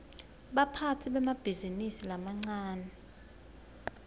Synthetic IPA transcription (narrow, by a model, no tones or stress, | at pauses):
ɓapʰatʰiɓɛmab̥ʱizinisilamaŋ͡ǀaːnɛ